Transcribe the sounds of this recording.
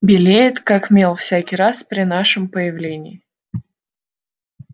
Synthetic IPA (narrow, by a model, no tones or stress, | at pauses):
bʲɪlʲejɪt̪kakmʲe̞lˠfsʲækʲɪjɾaspɾʲɪnaʂɨmpəjɪvlʲenʲɪ̰ɪ